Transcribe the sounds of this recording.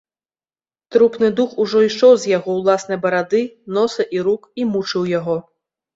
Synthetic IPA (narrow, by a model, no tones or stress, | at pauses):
t̪ɾupnɨd̪uxuʐɔiʂɔwzʲjaɣɔwlˠasnɐjbɐɾad̪ɨnɔsɐʔiɾukimut͡ʂɨwjaɣɔ